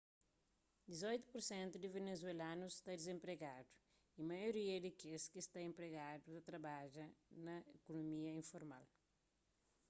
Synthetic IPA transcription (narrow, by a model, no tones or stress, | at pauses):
d̪izojt̪u̥puɾsẽnt̪ud̪ɪvenezwelãnusst̪ad̪ɪzẽmpɾeɡad̪u̥ | imɐjoɾiɐd̪ɪkeskist̪aẽmpɾeɡad̪uɐt̪ɾɐbaʒɐnɐekonomiɐĩfoɾma̰l